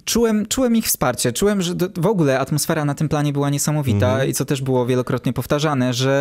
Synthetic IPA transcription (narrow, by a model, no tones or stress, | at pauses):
t͡ʂuwɛmt͡ʂuwɛmixfspaɾt͡ɕɛt͡ʂuwɛmʐɛd̪ɔvɔɡulɛat̪mɔsfɛɾanat̪ɘmplaɲɛbɘwaɲɛsamɔvʲit̪aḭt̪sɔt̪ɛʐbɘwɔvʲjɛlɔkɾɔt̪ɲɛpɔft̪aʐanɛʐɛ